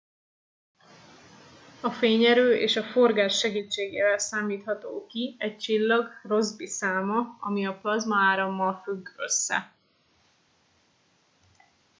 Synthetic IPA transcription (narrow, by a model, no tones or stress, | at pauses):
ɒfeːɲɛɾøːʔeːʃɒfo̞rɡaːʃːɛɡiːt͡ʃːeːɡeːvɛlsaːmiːt̪hɒt̪oːkiɛc̚t͡ʃilːɒɡro̞zbisaːmɒɒmiɒplɒzmɒaːɾɒmːɒlfyɡø̞̰sːɛ̰